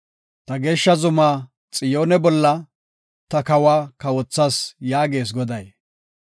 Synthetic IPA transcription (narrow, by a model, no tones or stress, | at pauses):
t̪ɐɡe̞ːʃːɐzʊmaː | t͡sʼɪjo̞ːnɛbɔlːɐ | t̪ɐkɐwaːkɐwɔt͡sːasjaːɡe̞ːs̬ɡɔd̪ɐj